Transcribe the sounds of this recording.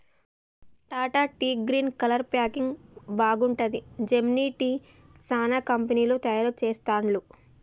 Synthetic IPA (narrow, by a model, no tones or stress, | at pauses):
ʈ̪aːʈaːʈiːɡɾiːnkɐlɐɾpjaːkiŋɡbaːɡuɳʈɐd̪id͡ʒemniːʈiː | saːnaːkɐmpɐniːloːt̪ɐjaːɾɐt͡ʃeːst̪aːɳlu